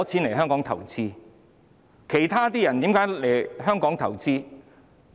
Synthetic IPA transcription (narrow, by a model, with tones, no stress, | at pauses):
t͡sʰiː˨˥nle˨˩jɦœː˥ŋkɔː˨˥ŋt̪ʰɐ̰˨˩wt͡siː˥ | kʰe˨˩jt̪ʰaː˥t̪iː˥jɐ˨˩nt̪iː˨˥mkaː˨˥jle˨˩jɦœː˥ŋkɔː˨˥ŋt̪ʰɐ˨˩wt͡siː˥